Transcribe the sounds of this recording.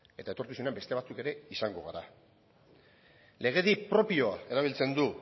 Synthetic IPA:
e̞t̪ae̞t̪o̞ɾt̪usunembe̞st̪eat͡suke̞ɾe̞isaŋɡo̞ɣa̰ɾa̰ | le̞ɣ̞e̞ðipɾo̞pio̞ae̞ɾaβ̞ilt͡se̞nd̪u

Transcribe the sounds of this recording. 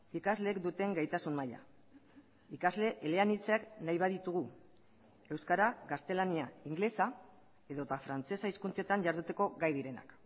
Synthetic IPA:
ikazle̞ːkd̪ut̪e̞ŋɡajt̪asunmaja̰ | ikazle̞ʔele̞anit͡seaknajβaðit̪uɣu | e̞wskaɾaɡast̪e̞laniaiŋɡle̞sa | e̞ðo̞t̪afɾant͡se̞saiskunt͡se̞t̪aɲʝaɾðut̪e̞ko̞ɣajðiɾe̞na̰k

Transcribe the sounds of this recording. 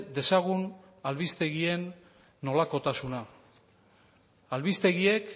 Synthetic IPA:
d̪e̞saɣ̞un | alβist̪e̞ɣie̞nː | o̞lako̞t̪asuna | alβist̪e̞ɣie̞k

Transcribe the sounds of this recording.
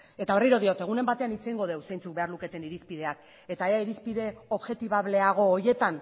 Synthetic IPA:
e̞t̪aoriɾo̞ð̞io̞t̪e̞ɣ̞une̞mbat̪e̞anit͡seiŋɡo̞ð̞e̞wse̞jnt͡suk̚be̞arluke̞t̪e̞niɾispið̞e̞ak̚ | e̞t̪aeaiɾispiðe̞o̞βʝe̞t̪iβaβle̞aɣ̞o̞ːje̞t̪an

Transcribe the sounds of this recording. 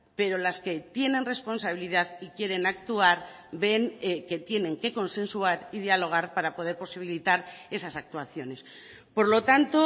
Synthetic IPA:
pe̞ɾo̞laske̞t̪je̞ne̞nre̞spo̞nsaβ̞iliðaðikje̞ɾe̞nak̚t̪uaɾbe̞ŋke̞t̪je̞nẽ̞ŋke̞ko̞nse̞nsuaɾið̞jalo̞ɣ̞aɾpaɾapo̞ð̞e̞ɾpo̞siβ̞ilit̪aɾe̞sasak̚t̪uaθjo̞ne̞s | po̞ɾlo̞t̪ant̪o̞

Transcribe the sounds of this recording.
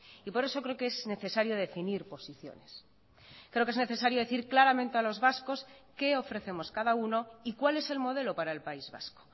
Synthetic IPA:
ipo̞ɾe̞so̞kɾeokeezne̞θe̞saɾjo̞ð̞e̞finiɾpo̞siθjo̞̰ne̞s | kɾe̞okene̞θe̞saɾjoe̞θiɾklaɾamẽ̞nt̪e̞alo̞zβasko̞ske̞o̞fɾe̞θemo̞skaðauno̞ikwale̞se̞lmo̞ð̞e̞lo̞paɾae̞lpaizβa̰sko̥

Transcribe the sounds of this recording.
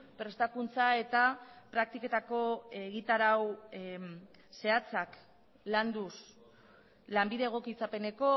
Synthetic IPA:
pɾe̞st̪akunt͡sae̞t̪apɾak̚t̪ike̞t̪ako̞eɣit̪aɾaw | se̞at͡sak | land̪us | lambiðeːɣ̞o̞kit͡sape̞ne̞ko̞

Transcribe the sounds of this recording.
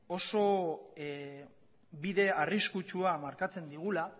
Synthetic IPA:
o̞so̞ | biðe̞ariskut͡ʃuamaɾkat͡se̞nd̪iɣ̞ula

